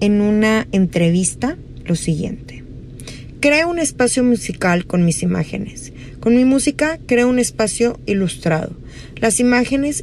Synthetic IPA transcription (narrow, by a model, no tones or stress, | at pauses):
e̞nunaent̪ɾe̞β̞ist̪a | lo̞siɣje̞̰nt̪e̥ | kɾeoune̞spasjo̞musikalko̞nmisima̰xe̞̰ne̞s | ko̞nmimusikakɾe̞oune̞spasjo̞ilust̪ɾa̰ð̞o̞̰ | lasimaxe̞ne̞s